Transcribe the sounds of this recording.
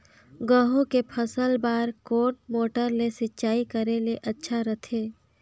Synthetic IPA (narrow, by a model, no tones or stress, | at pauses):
ɡəɦõkepʰəsəlbaːɾkoːɾʈ̚moːʈəɾlesɪtːt͡ʃaːikəɾeleʔɐtːʃʰaɾət̪ʰeː